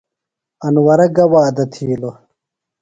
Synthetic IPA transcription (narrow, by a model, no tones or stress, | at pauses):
ɐnwɐɾɐɡɐwaːd̪ɐt̪ʰiːlo